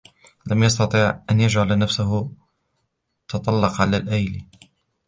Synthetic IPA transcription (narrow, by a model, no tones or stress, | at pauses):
lamjɑst̪ɑt̪ˤiːʕʔanjad͡ʒʕalnafsʊɦʊ | t̪ʰɑt̪ˤɑlːɑqʕalaːlʔajl